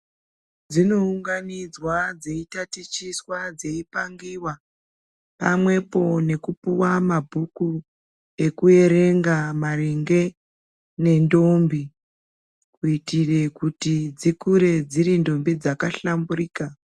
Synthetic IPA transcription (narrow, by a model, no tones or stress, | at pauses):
d͡zino̞uŋɡanid͡zwad͡ze̞itatit͡ʃiswad͡ze̞ipaŋɡiwa | pa̰mwe̞po̞ne̞kupuwamabʱuku | e̞kue̞ɾe̞ŋɡamariŋɡe̞ | ne̞ndo̞mbi | kuitire̞kutid͡zikuɾe̞d͡ziɾindo̞mbid͡zakaɬamburiːka